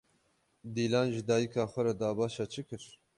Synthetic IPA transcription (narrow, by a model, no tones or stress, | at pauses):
d̪iːlɑːnʒɨd̪ɑːjikʰɑːxʷɛɾɛd̪ɑːbɑːʃɑt͡ʃʰɨkɨɾ